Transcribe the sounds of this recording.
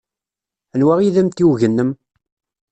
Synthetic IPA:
ənwæʁiðæmt̪iwʝənːəm

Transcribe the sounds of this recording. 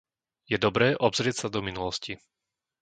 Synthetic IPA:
jɛd̪ɔbɾɛːʔɔbzɾɪɛcsad̪ɔminulɔsci

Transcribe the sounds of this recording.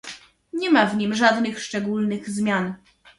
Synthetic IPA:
ɲɛmavɲimʐad̪nɘxʂt͡ʂɛɡulnɘɣzmʲjan

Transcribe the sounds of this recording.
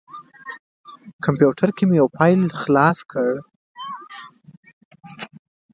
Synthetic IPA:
kʰampjuʈʰaɾkemjawpʰɑjlxlɑskʰəɽ

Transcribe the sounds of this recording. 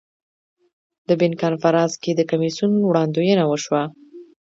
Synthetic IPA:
d̪̥əbɪnkɑnfaɾɑnsked̪əkamisunwɽɑnd̪ojənawəʃwa

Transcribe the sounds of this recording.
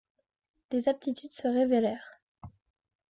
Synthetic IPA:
d̪̥ezap̚t̪it̪yd̪səʁevelɛːʁ

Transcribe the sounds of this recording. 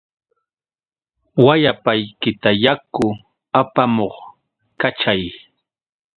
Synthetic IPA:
wajapajkɪt̪ajakʊ | apamoχ | kat͡ʃaj

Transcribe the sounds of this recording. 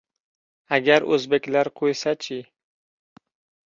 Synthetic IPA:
aɡʲaɾɵzbekʲlaɾqʰojsat͡ʃʰɪ

